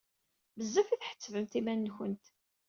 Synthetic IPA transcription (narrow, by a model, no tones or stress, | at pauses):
məzːæfiθħə̥t͡sːvəmt̪imænːçənt̪